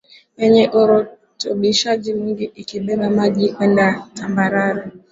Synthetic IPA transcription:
eɲeʔoɾo | tobiʃad͡ʒimiŋɡiʔikibebamad͡ʒikɛndatambaɾaɾa

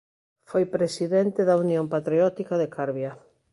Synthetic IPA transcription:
fojpɾesiðent̪ɪðaunjõmpat̪ɾiɔt̪ikaðekʰaɾβja

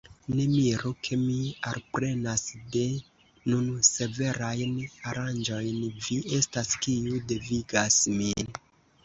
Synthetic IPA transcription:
ne̞miɾokʰe̞mialpɾe̞nasde̞ | nunse̞ve̞ɾajnaɾand͡ʒo̞jnviʔe̞staskiudeviɡasmin

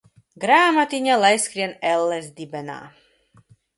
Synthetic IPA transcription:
ɡɾaːmat̪iɲalˠajskɾiɛnɛlːɛzd̪ibɛna̰ː

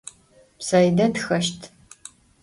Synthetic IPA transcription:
psɐjdɐtxɐʃtʰ

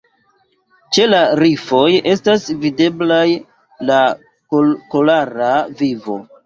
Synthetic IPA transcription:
t͡ʃe̞laɾifo̞je̞stasvide̞blaj | la | kkolaɾavivo̞̰

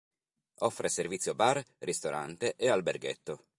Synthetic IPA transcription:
ɔfːɾeservit̪sːjobarrist̪oɾʔa̰nt̪eʔealberɡḛt̪ːo

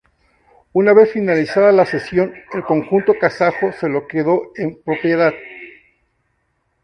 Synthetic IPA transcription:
unaβe̞sfinalisaðalase̞sjo̞ne̞lko̞ŋxunt̪o̞kasaxo̞se̞lo̞keðo̞empɾo̞pje̞ðað

